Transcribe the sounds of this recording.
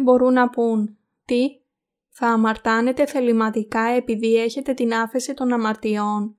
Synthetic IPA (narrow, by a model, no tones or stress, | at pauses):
bo̞ɾunːɐpun | t̪i | θɐːmɐɾt̪ɐne̞t̪e̞θe̞limɐt̪ikɐe̞piðie̞çe̞t̪e̞t̪inɐfe̞sit̪o̞nɐmɐɾt̪io̞n